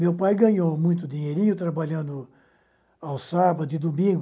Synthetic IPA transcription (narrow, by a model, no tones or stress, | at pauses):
mewpajɡɐ̃ɲowmũj̃t̪ʊd̪ĩɲejɾĩɲʊt̪ɾabaʎɐ̃nd̪ʊ | awsabɐd̪ʊɪd̪umĩɡ